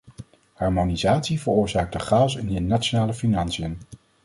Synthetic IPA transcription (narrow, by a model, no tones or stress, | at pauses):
hɑɹmonizaːtsivəɹʊːɹzaːk̚dəχaːsɪnənat͡ʃonaːləfinɑnsijən